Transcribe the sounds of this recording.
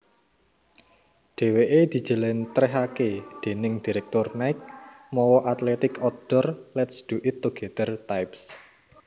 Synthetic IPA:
ɖ̥e̤weʔed̪̥i̤d̥ʒ̥ə̤lɛnt̪ɾɛɦaked̪̥e̤nɪŋd̪̥i̤ɾɛk̚t̪ʊrnajk̚ | mɔwɔʔat̪lɛt̪ɪkɔd̪̥ɔrlɛt̪sd̪̥uʔɪt̪ːoɡ̥ɛt̪ərt̪ajps

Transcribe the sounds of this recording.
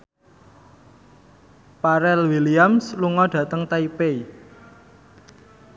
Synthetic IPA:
paɾɛlwiliamsluŋɔɖ̥ä̤t̪əŋt̪aipei

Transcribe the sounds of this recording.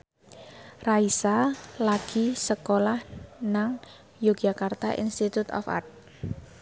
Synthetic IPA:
raisalaɡ̥i̤səkolahnaŋ | joɡd͡ʒʒakart̪aʔḭnst̪it̪ut̪ɔ̰fa̰rt̚

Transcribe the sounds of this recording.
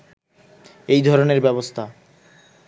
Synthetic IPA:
ejd̪ʱɔɾoneɾbɛβbost̪ʰa

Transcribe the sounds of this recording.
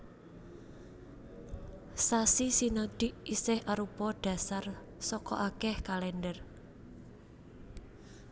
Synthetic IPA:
sasisinɔd̥ɪ̤ʔisɪhaɾupɔɖ̥a̤sar | sɔkɔ̰ʔakɛhkalɛnɖər

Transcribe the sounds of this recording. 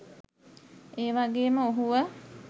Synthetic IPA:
eːʋaɡeːməoɦuʋə

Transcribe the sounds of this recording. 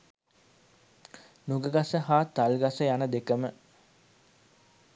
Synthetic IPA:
nuɡəɡasəɦaːt̪ːalɡasəjanəd̪ekəmə

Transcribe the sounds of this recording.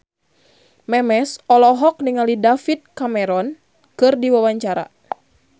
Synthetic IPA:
mɛmɛsɔlɔɦɔk̚niŋalidafit̪̚kamɛɾɔn | kɨrdiwawaɲt͡ʃaɾa̰

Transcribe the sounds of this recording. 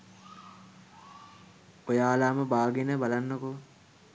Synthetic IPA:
ojaːlaːməbaːɡenəbalanːəko

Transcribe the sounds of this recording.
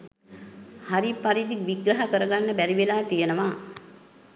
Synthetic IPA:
haɾipaɾid̪ikʋiɡɾɐɦakəɾəɡanːəbæɾiʋelaːt̪ijənəʋaː

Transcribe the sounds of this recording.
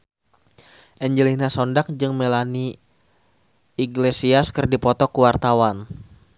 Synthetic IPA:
ʔɛɲd͡ʒəlinasɔndak̚d͡ʒɨŋmelani | iɡlesiaskɨrdipɔt̪ɔkuwart̪awan

